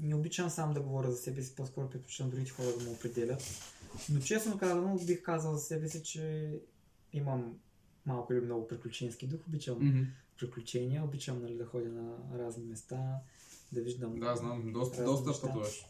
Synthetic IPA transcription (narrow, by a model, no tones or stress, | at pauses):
nɛobit͡ʃɐmsamd̪ɐɡovɔɾʲəzɐsɛbɛsi̥poskɔɾʊpɾiklʲu̥t͡ʃ̪ɐmd̪ɾuɡʲit̪ɛxɔɾɐd̪ɐmɛopɾɛd̪ɛlʲət̪not͡ʃɛsnokazɐnobixkazɐlˠzɐsɛbɛsit͡ʃɛ | imɐmː | alˠkʊilʲimnɔɡʊpɾiklʲut͡ʃɛnsk̟id̪uxʊbit͡ʃəmpɾiklʲut͡ʃɛniɐobit͡ʃɐmnɐlid̪ɐxɔd̪ʲɐnɐɾaznimɛst̪a | d̪ɐviʒd̪ɐmd̪aznamd̪ɔst̪ɾazd̪ɔsɐʃt̪obɛʃ